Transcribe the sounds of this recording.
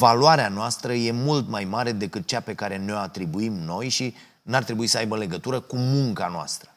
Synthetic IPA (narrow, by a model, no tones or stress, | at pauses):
valuaɾeanoast̪ɾəje̞mult̪majmaɾe̞d̪e̞kɨt̪̚t͡ʃape̞kaɾe̞neoat̪ɾibuimno̞jʃi | nart̪ɾe̞buisəajbəle̞ɡət̪uɾəkumuŋkanoa̰st̪ɾə̥